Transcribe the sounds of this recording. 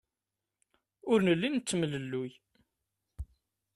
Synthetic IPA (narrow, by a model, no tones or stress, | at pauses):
ʊɾnəlːint͡sːmələlːʊj